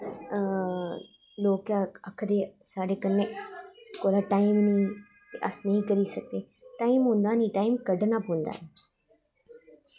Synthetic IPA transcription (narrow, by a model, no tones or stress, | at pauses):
loːkaːəkʰd̪eːsaːɖeːkənːeːkoːlaːʈaːiːmnĩː | t̪eʔəsnəɦĩːkəɾiːsək̚d̪eː | ʈaːiːmɦʊ̃ːnd̪aːnĩːʈaːiːmkəɖnaːpõːnd̪a̰ːe